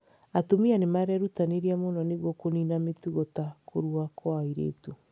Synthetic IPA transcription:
atomianemaɛɾɛɾutaneɾiamonɔneɣwɔkoninametuɣɔtakʰoɾuakʰɔaiɾḛːtu

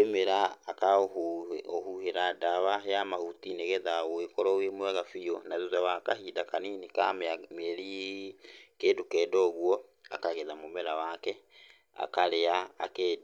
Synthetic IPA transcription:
emeɾaːka | ohuheɾadaβajamahutineɣɛðaoekɔɾɔoemowɛɣafijɔnaðuðaβakahidakaninika̰meamɛɾi | kedukɛdɔɣwɔa̰kaɣeðamomɛɾawakɛ | a̰kaɾea̰ːke

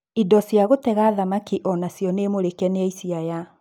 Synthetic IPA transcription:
idɔsjaɣotɛɣaːðamakiʔɔnasjɔneːmoɾekɛneaisiaja

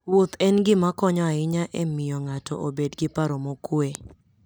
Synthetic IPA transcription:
wot̪ɛnɡɪmakɔɲɔaɪɲaʔemɪjɔŋatɔ̰ʔobedɡɪpaɾɔmokwe

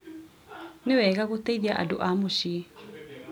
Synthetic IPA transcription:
newɛɣaɣot̪eiðiaʔa̰doʔamoʃi

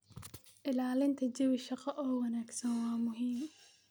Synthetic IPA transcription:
ʔɪlaːlɪnt̪ʰɐd͡ʒɐwɪʃɑqɐʔɔːwɐnaːɡsɐnwɑːmʊɦiːm

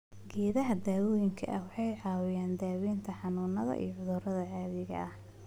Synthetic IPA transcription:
ɡɛːðɐɦɐd̪aːwɔːjɪŋkʰɐ̰ʔɐwɑħɑjʕɑːwɪjaːnd̪aːwiːnt̪ʰɐħɑnuːnɐðɐ̰ʔḭjɔʕʊðʊɾɐðɐʕaːβɪɣɐ̰ʔɐh

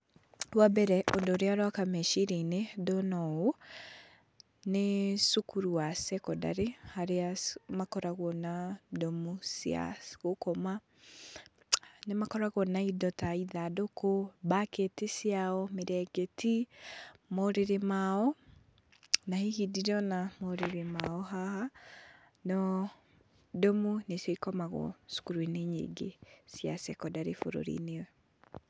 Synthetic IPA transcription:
ɾwabɛɾɛʔodoɾeaɾwakamɛʃiɾɛinedɔnɔo | nesukuɾuwasɛkɔda̰ɾehaɾeamakɔɾaɣwɔnadɔmusia̰sɣokɔma | nemakɔɾaɣɔnaidɔtaiðadokobaketisjaɔmeɾɛɡeti | moɾeɾemaɔ | nahihidiɾɔnamoɾeɾemaɔɦaha | nɔ | domunesjɔikɔmaɣɔ̰su̥kuɾweneɲḛɡesjasɛkɔdaɾḛfo̰ɾo̰ɾḭnewɛ

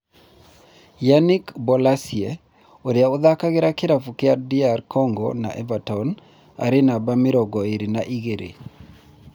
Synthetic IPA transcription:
janikbɔlasiɛ | oɾaʊd̪akaɡɪɾakɪɾafukɪaɾdiarkɔŋɡɔna̰ʔɛ̰vatɔn | a̰ɾɪnabamɪɾɔɡɔeɾinaʔiɡeɾʔḛ

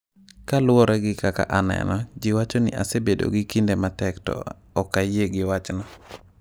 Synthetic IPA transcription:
kalʊwɔɾɛɡɪkaka̰ʔanɛ̰nɔd͡ʒɪwat͡ʃɔnɪ̰ʔasebedo̰ɡɪkindematɛktɔ̰ | ɔkajeɡɪwat͡ʃnɔ

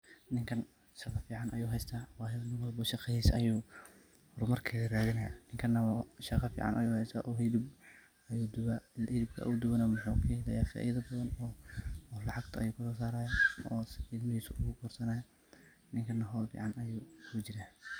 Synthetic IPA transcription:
nɪŋkʰɐn | ʃɐqɑfiːʕɑnɐjuːɦɛjst̪ʰaːwɑːjɐðɐnɪnwɐlbɐʃɑqɛhiːsɐjuː | hɔɾmɐrkʰɐɣɐraːðɪnɐja̰nɪŋkʰɐnːɐʃɑqɑfḭːʕɑ̰nʔɐ̰juːhɛjst̪ʰa̰ːʔɔːɦɪlɪb | ɐjuːd̪ʊwahɪðɪb̚kʰɐ̰ʔud̪ʊwɐnɐmʊħukʰɐhɛlɐjaːfa̰ːʔiðɐbɐðɐnɔːlɑʕɑɡt̪ʰɐɐ̰juːkʰʊsɔːsaːɾaːjɐɔːsɪlmɐhiːsʊʔʊɣʊkʰɔːrsɐnaːjɐ | nɪŋkʰɐnːɐɦɔːlfḭːʕɑnɐjuːhʊt͡ʃɪɾaː

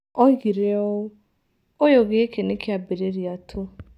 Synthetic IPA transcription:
ɔɣiɾeɔ | ojoɣeekenekɪabeɾeɾiatʰʊ

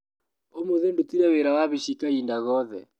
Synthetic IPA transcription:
omoðendutiɾɛweɾawaβiʃikaindaɣɔðɛ̰

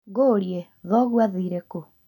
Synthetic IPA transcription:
ɣoɾije | ðɔɣwaðiːɾeko

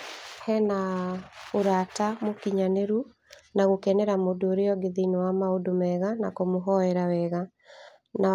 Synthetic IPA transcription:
hɛna | oɾatamokiɲaneɾu | naɣokɛnɛɾamodooɾeɔɡeðinowamaodomɛɣanakomoɦɔɛɾawɛɣa | na

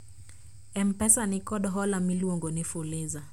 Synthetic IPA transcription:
ɛm̩pɛsanikɔɗɔɦɔlamiliɔŋɡɔnifuleza

